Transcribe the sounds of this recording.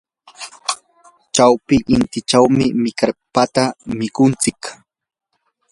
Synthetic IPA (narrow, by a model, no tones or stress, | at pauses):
t͡ʃawpɪʔɪnt̪ɪt͡ʃawmɪmɪkaɾpat̪amɪkʊnt͡sɪk